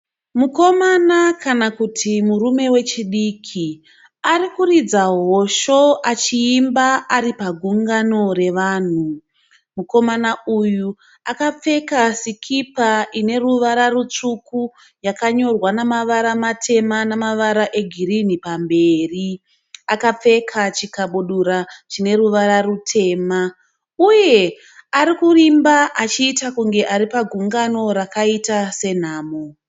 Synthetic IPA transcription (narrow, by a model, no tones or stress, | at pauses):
muko̞manakanakutʰimurume̞we̞t͡ʃiɗiːkʰi | aɾikurid͡zaɦo̞ʃo̞ʔat͡ʃiːmbaaɾipaɡʱuŋɡano̞re̞ʋaːn̤u | muko̞manauju | akap͡fe̞kasikʰipaʔine̞ruʋaɾarut͡ʂuku | jakaɲo̞rwanamaʋaɾamatʰe̞manamaʋaɾaʔe̞ɡʱiɾinipambe̞ːri | akap͡fe̞kʰat͡ʃikaɓuɗuɾat͡ʃine̞ɾuʋaɾarutʰe̞ːma | uje̞ | aɾikurimbaʔat͡ʃiːtakuŋɡe̞ʔaɾipaɡʱuŋɡano̞ɾakaitase̞n̤aːmo